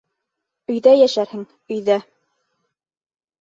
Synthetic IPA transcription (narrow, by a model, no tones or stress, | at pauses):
ɵ̆jðæjæʃæɾhɘŋ | ɵ̆jðæ